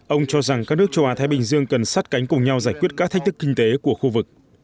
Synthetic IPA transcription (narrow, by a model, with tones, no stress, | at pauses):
ʔə˧wŋ͡mt͡ɕɔ˧za˨˩ŋka˦˥k̚nɨ˦˥ək̚t͡ɕə˧wʔaː˨˦t̪aː˨˦ɓï˨˩ŋ̟zɨ˧əŋkə˨˩nsa˦˥t̚ka˨˦jŋ̟kʊ˨˩ŋ͡mɲa˧wzaː˧˩jkwi˦˥ət̚kaː˦˥k̚t̪ʰk̟̚t̪ɨ˦˥kːï˧ŋ̟t̪e˨˦ku˧˩əxu˧vɨ˨˩k̚